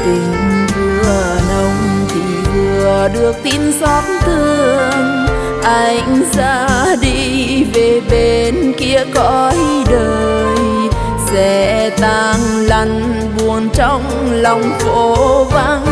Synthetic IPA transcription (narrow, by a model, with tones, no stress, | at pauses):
t̪i˨˩ŋ̟kɨ˧˩ʔə˨˩nə˧wŋ͡m | t̪ʰi˨˩vɨ˨˩əəəɗɨ˨˩ək̚t̪i˧nsɔ˦˥t̚nt̪ɨ˧˩ | ʔa˧jŋ̟sa̰ː˧˥ɗi˧ve˨˩ɓe˧˩nki˧˥əkɔ˧jɗəː˧j | sɛ̰˧˥t̪aː˧˩ŋla˧˩jŋ̟ | ɓu˨˩ənt͡ɕɔ˧wŋ͡m | lɔ˨˩wŋ͡mko˧˦va˧˥n